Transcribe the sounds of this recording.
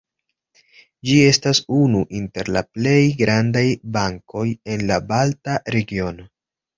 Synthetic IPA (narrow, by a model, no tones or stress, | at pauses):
d͡ʒie̞stasunuʔinte̞ɾla̰ple̞jɡɾandajbaŋko̞je̞nlabaltaɾe̞ɡio̞no̞